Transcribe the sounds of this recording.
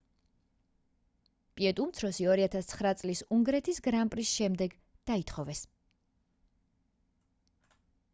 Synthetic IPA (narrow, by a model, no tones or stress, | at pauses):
pʼiɛt̪ʼumt̪sʰɾɔsiɔɾiat̪ʰast̪sʰχɾat̪sʼlisuŋɡɾɛt̪ʰisɡɾampʼɾisʃɛmd̪ɛɡ | d̪̥ait̪ʰχɔvɛs